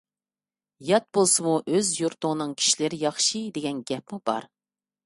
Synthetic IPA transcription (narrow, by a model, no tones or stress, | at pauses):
jɑt̪̚bolˠsɨmuʔøzjuɾt̪ʊŋnɨŋkʲʰi̥ʃilɪɾɪjɑχʃid̪eɡʲɛnɡʲɛp̚mubɑ̰ɾ